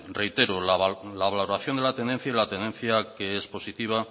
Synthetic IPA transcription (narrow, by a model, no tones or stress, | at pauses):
re̞jt̪e̞ɾolalaβalloɾaθjo̞nd̪elat̪e̞nd̪e̞n̟θjailat̪end̪e̞n̟θjakeespo̞sit̪iβ̞a